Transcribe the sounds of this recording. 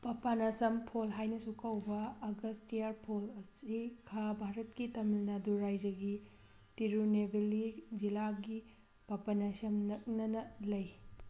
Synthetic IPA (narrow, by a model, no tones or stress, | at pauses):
pɐpanɐsɐmpʰolɦajnɐsukɐwbɐːɡɐstijaɾpʰolɐsikʰabʱaɾɐt̚kitɐmilnaduɾajd͡ʒɐɡi | tiɾunebʱelid͡ʒilaɡi | pɐpanɐsɐmnɐk̚nɐnɐlɐj